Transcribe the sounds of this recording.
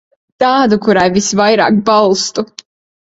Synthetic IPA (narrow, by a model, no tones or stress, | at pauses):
t̪aːd̪ukuɾajvisvajɾa̰ːk̚balˠst̪u